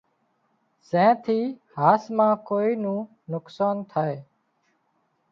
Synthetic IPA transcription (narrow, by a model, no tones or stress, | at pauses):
sɛ̃ːt̪ʰiːhaːsmãːkoːiːnũː | nʊksaːnt̪ʰaːeː